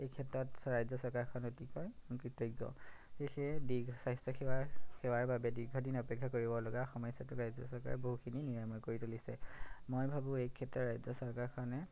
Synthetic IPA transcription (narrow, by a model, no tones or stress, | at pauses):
ekʰɛtːɔtɹajzɔsɔɹkaɹkʰɔnotikɔjuŋkɹitɔɡɔ̰xexɛdiɡʱsajstɔkʰakʰɛwaɹbabɛdiɹɡʱɔdinɔpɛkʰːakoɹibɔlɔɡaxɔmɔjsatukɹajzɔsɔɹka̰ɹboɦukʰininiɹamɔkoɹitulisɛ̰mojbʱabũejkʰɛtɹɔɹajzɔsɔɹkaɹkʰɔnɛ